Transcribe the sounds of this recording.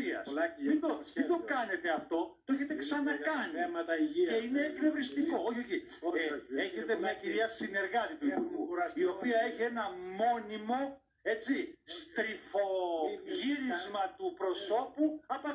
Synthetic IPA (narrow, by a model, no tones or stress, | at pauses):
iɐsmind̪oind̪o̞kɐne̞t̪e̞ɐft̪o̞t̪oeçe̞t̪eksɐnɐkɐnimɐt̪ie̞ine̞ːknoðist̪iko̞oçio̞çi | e̞çe̞t̪emɲɐciɾiɐsine̞ɾɣɐt̪it̪uipuuio̞piɐe̞çie̞nɐmo̞nimo̞ | e̞t͡sist̪ɾifo̞ʝiɾizmɐt̪upɾo̞so̞puɐpɐ